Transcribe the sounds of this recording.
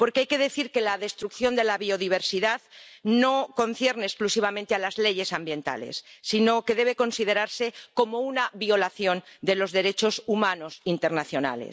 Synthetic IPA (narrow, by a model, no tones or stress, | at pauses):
po̞ɾkeajke̞ðe̞θiɾke̞laðe̞st̪ɾukθjo̞nd̪elaβio̞ðiβ̞e̞ɾsiðaðno̞ko̞nθje̞ɾneːsklusiβ̞amẽnt̪ealazle̞ʝe̞sambje̞nt̪a̰lḛsːino̞ke̞ðeβe̞ko̞nsiðe̞ɾaɾse̞ko̞mo̞unaβio̞laθjo̞nd̪e̞lo̞zðe̞ɾe̞t͡ʃo̞sumano̞sint̪eɾnaθjo̞na̰lḛ